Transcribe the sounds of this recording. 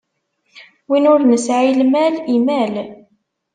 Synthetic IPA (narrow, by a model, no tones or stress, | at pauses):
winʊɾnəsʕilmælimæl